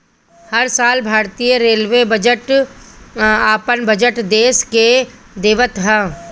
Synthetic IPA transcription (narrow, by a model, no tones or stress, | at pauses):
hɐɾsaːlbʱaːɾt̪ijəɾeːlʋebəd͡ʒəʈ | aːpənbʱɐd͡ʒəʈd̪eːske | d̪eːʋət̪ɦɛː